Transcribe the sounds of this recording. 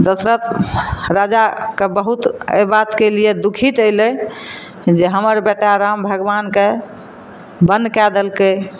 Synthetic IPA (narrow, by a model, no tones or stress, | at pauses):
d̪əsɾət̪ɾad͡ʒakebəɦut̪ḛbat̪kelied̪ukʰit̪əɪle | d͡ʒeɦəməɾbeʈaɾambʱəɡʋanke | bənkɛd̪əlke